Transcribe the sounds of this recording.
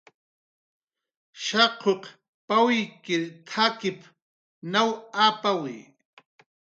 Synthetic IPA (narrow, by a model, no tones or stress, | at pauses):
ʃaqʰoq | pawikɪɾt̪ʰakɪp | nawapawḭ